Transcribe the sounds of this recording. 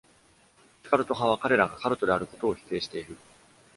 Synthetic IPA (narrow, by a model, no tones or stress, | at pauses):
i̥kaɾɯ̟t̪oɦãβakaɾe̞ɾaɡakaɾot̪o̞d̪e̞aɾɯ̟ko̞̥t̪o̞ːçi̥t̪e̞ːɕi̥t̪e̞iɾɯ̟